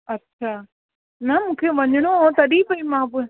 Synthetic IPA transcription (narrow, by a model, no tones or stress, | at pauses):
ɐtːɕʰaː | nɐmũːkʰeʋɐɲəɽ̃oot̪ɐɗipɐimãːpʊ̃